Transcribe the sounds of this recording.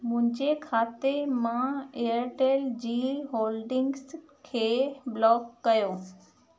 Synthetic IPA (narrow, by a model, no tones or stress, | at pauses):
mʊ̃ɦɪ̃ɲd͡ʑekʰaːt̪emãeəɾʈeːld͡ʑiːɦoːlɖɪ̃ŋɡs | kʰeːblɔːkːɐjoː